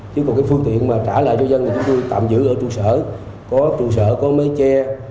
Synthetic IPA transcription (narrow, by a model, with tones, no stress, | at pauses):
t͡ɕɨ˧˦kɔ˨˩wkaː˨˦jfɨ˧əŋt̪ḭ˧˨ənmaː˨˩t͡ɕaː˧˩la̰ː˧˨jt͡ɕɔ˧zə˧nt̪i˨˩t͡ɕʊ˨˦ŋ͡mt̪o˧jt̪a̰ː˧˨mzɨ̰˧˥ʔəː˧˩t͡ɕu˨˩səː˧˩ | kɔ˨˦t͡ɕu˨˩sə̰ː˧˩kɔ˨˦mə˨˦jt͡ɕɛ˧